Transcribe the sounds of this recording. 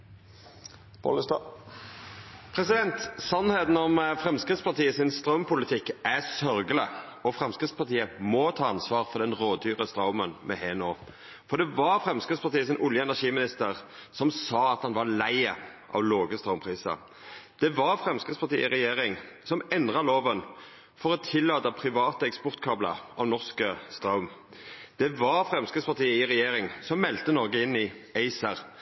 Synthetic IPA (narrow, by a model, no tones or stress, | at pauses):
pʰɔ̰l | pʰɾɛsɪd̪ɛnt̪sɑnheːt̪nɔmfɾɛmskʁɪt̪spɑt̪iːəsɪnst̪ɾœmpʊlɪt̪ʰɪkːæsœɾɡələɔfʁɛmskʁɪt̪spʰɑt̪ʰiːəmɔt̪ʰɑːɑnsʋɑːɾfɔd̪ɛnɾoːd̪d̪yːʁəst̪ɾɑʊmənmʔɛ̰hɛːnoː | fɔɾd̪ɛʋɑɾfɾɛmskʁɪt̪spɑt̪iːəsɪnʔʊljəɛnæʂiːmɪnɪst̪əʁsɔmsɑːɑt̪hɑnʋɑʁlæɪəʔɑ̰ʋloːɡəst̪ʁɑʊmpʰʁiːsɑ̰ | d̪̥ɛʋɑʁfʁɛmskəspʰɑʁt̪ḭːəɪʁɛjeːʁɪŋ | sɔmɛnd̪ʁɑloːʋən | fɔʁɔt̪ʰɪlːɑːt̪əpʰʁɪʋɑːt̪əɛkspɔʁt̪kʰɑblə̰ɑʋnɔʁskəst̪ʁɑʊm | d̪̥ɛʋɑʁfʁɛmskəspʰɑʁt̪iːəɪʁɛjeːʁɪŋsɔmmɛlt̪ənɔʁɡəɪnːɪɛɪsəʁ